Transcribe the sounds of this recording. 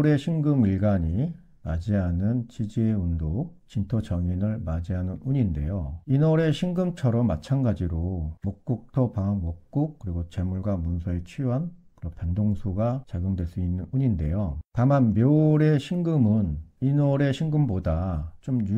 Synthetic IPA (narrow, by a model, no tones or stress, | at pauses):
ɾe̞ɕʰiŋɡɯmiɭɡaɲi | ma̰d͡ʑiɦanɯnt͡ɕid͡ʑieundok̚t͡ɕintʰʌt͡ɕʌŋinɯɭmad͡ʑiɦanɯnuɲinde̞̰joinʌɾe̞ɕʰiŋɡɯmt͡ɕʰʌɾʌmːat͡ɕʰanɡad͡ʑiɾomok̚k͈uk̚tʰʌpaŋwʌk̚k͈uk̚k͈ɯɾiɡot͡ɕe̞muɭɡwamunsʰʌet͡ɕʰiɦankɯɾʌpandoŋsʰuɡat͡ɕaɡjoŋdwe̞ɭs͈uinːɯnuɲinde̞jotamanmjʌɾe̞ɕʰiŋɡɯmɯninʌɾe̞ɕʰiŋɡɯmbodat͡ɕomju